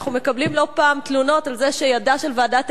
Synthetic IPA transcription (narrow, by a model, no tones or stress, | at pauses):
χnume̞kablimlo̞paːmt̪luno̞talzeʃejadaʃelveːdat